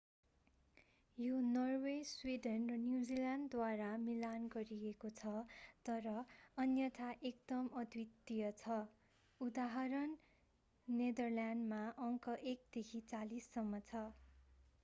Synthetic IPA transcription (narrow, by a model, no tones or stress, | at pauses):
jonʌrweswiɖʌnrʌnjud͡zilanɖd̪waɾamilanɡʌɾiekot͡sʰʌt̪ʌɾʌʌnjʌt̪ʰaʔek̚d̪ʌmʌd̪ʱwit̪ːijʌt͡sʰʌ | ud̪aɦʌɾʌnː | ed̪ʌrljanɖmaʔʌŋkʌʔek̚d̪̥ekʰit͡salisːʌmːʌt͡sʰʌ